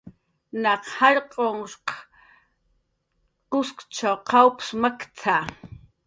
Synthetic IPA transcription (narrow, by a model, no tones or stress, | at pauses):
nɑqhaɾqʼoŋʃq | qʊskt͡ʃawqʰawpsmakt͡sʰa